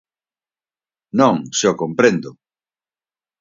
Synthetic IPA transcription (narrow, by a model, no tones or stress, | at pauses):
nõŋʃokompɾẽnd̪ʊ